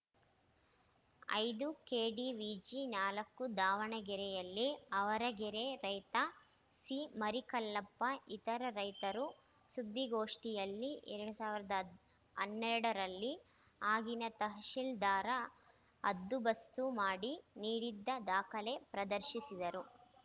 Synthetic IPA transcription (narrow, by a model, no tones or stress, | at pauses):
ɐ̰jd̪ukeːɖiʋiːd͡ʒinaːlɐkːud̪aːʋɐɳɐɡɛɾɛjɐlːiɐʋɐɾɐɡɛɾeɾɐjt̪ɐ | simɐɾikɐlːɐpːɐit̪ɐɾɐɾɐjt̪ɐɾu | sud̪ːiɡoːʂʈijɐlːiʔɛ̰ɾɐɽusaːʋiɾɐd̪ɐ | ɐnːɛɾɐɽɐɾɐlːi | aːɡinɐt̪ɐɦɐʃild̪aːɾɐ | ɐd̪ːubɐst̪umaːɽiniːɽid̪ːɐd̪aːkʰɐle̞pɾɐd̪ɐɾʃisid̪ɐɾu